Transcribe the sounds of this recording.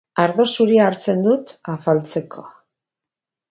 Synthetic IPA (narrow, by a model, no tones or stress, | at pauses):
aɾðosuɾiaːɾt͡se̞nd̪ut̪afalt͡se̞kʰo̞̰a